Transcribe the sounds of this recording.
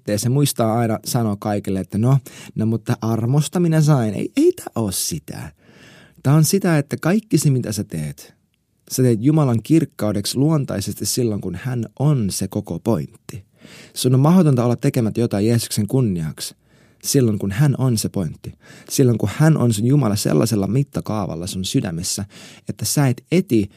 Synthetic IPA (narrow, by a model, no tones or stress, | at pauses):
t̪ːejsemuist̪ɑːɑinɑsɑnokkɑikelːeet̪ːænonomut̪ːɑʔɑrmost̪ɑminæs̬ɑinḛiʔeit̪æːʔoːssit̪æ̰ | t̪æːonsit̪æet̪ːækɑikːisemit̪æset̪eːt̪ | set̪eːt̪jumɑlɑŋkirkːɑudeksluont̪ɑ̰isest̪issilːoŋkunhænʔonsekokopo̞int̪ːi | seonomɑɦot̪ont̪ɑolːɑt̪ːekemæt̪jot̪ɑjeːsu̥kseŋkunːiɑks | silːoŋkunhænʔonsepo̞int̪ːisilːoŋkuhænʔo̰nsenjumɑlɑsḛlːɑ̰selːɑmit̪ːɑkɑːʋɑ̰lːɑseonsydæ̰mesːæet̪ːæsæet̪et̪i